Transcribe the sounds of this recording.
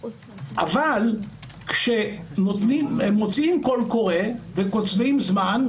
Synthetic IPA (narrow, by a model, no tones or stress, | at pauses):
ʔa̰val | kʃenot̪nimemo̞t͡siimko̞lko̞ʁevekot͡svimzman